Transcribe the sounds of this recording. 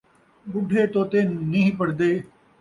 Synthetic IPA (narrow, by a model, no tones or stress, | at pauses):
bʊɖʱeːt̪oːt̪eːniɦĩpəɽd̪eː